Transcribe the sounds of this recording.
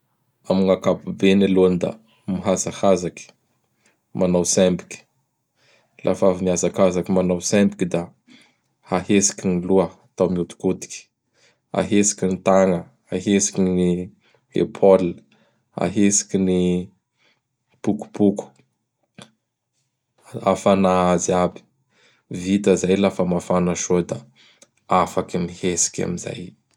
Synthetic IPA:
amiŋakapubenilond̪a̰ | miɦazakazaki̥ | manawsɛmbi̥kʲi̥ | lʔa̰faviniazakazakimanawsɛmbi̥kʲid̪a | haɦesi̥kʲiniluəat̪awmiut̪u̥kut̪i̥kʲi̥ | a̰ɦesi̥kʲinit̪aŋə | aɦesi̥kini | ḛpʰol | a̰ɦesi̥kʲini | puku̥puku̥ | a̰fanaaziabi̥ | vit̪əzajlafəmafanaʃod̪a | afakinihesi̥kʲa̰miza̰j

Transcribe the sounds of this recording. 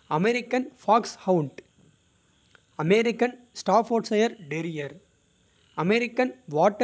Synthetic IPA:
ɐmɛɾɪkːɐnfaːkshɐwɳʈ | ɐmɛɾɪkːɐn | sʈaːfoːɾsɐjɐɾɖɛɾɪjɐɾ | ɐmɛɾɪkːɐnʋaːʈːɐ

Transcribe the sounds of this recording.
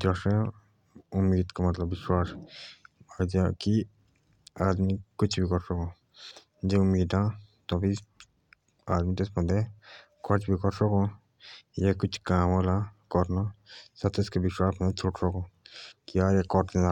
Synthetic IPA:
d͡ʒɔse | ʊmːiːd̪kamɐt̪ləbːɪʃwaːs | d͡ʒaki | aːd̪mikʊt͡ʃʰbʱikɔɾsɔkõː | d͡ʒeʊmːiːd̪ãt̪ɔbʱi | aːd̪mit̪esbɐ̃nd̪e | kʰɔt͡ʃbʱikɔɾsɔkõ | jekʊt͡ʃʰkaːmolakɔɾnasɐt̪ʰeskebɪʃwaːsbɐ̃nd̪et͡ʃʰoʈsɔkõːkiaːɾjekɔɾẽna

